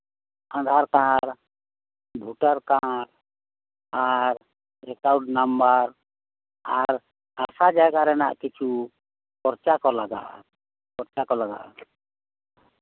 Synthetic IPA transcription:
ãd̪ʱaɾkãɾ | bʱuʈaɾkãɾ | aɾ | ɾɛkawɖnambaɾ | aɾ | asad͡ʒaɡaɾɛna̰ʔkit͡ʃʰu | pɔɾt͡ʃakɔlaɡa̰ | pɔɾt͡ʃakɔlaɡa̰ʔa̰

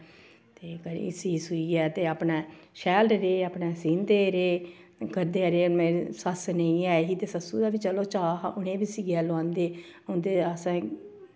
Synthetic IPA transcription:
t̪eːkəɾ̰ɪ̰siːsuiːɛːt̪eːapnaːʃɛːlɖɾeːaːpneːsiːnd̪eːɾeː | kəɾd̪eːɾeːmesəsnəĩːaːeɦiːt̪eːsəsuːd̪aːʋit͡ʃəloːt͡ʃaːʊnẽːbiːsiːɡɛːloãːnd̪eːʊnd̪eːəsãː

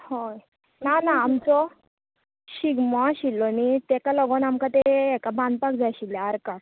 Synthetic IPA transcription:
hoj | nanaːmt͡sɔ | ɕiɡmɔɕilːɔnit̪ekalɔɡɔnamkat̪eːkabãnd̪̚pakd͡zaɕilːaaɾka

